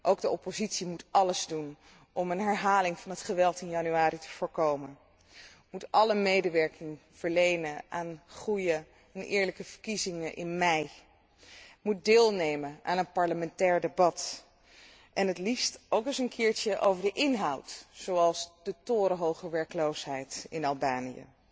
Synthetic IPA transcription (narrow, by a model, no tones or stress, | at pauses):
ʔowɡdəʔɔpozitsimutʔɑləzdun | ʔɔmənɦɛɹɦaːlɪŋvɑnɦətχəʋɛlˠtɪnjɑnyaːɾitə̥v̥ʊːɹkowmən | mutʔɑləmejdəʋɛɹkɪŋ | v̥əɹlejnənʔaːnχrujə | ɛnʔɪ̰ːɹləkəv̥əɹkizɪŋəʔɪ̰nmɛj | mut̚dɪːlˠnejməʔaːnənpɑɹləmɛntɛːɹdebɑt | ʔɛnɦətlistowkɪsənkʰɪːɹt͡ʃəʔo̰wvəɹdəʔɪnɦʌwtsowɑlˠzd̥ətʊːɾəɦowχəɹʋɛɹkəlowsɦɛjtɪ̰nɑlˠbaːnijə̰